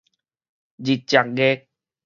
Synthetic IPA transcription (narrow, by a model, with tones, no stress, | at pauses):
d͡ʑi˨˩t̚t͡ɕja˨k̚ɡe˦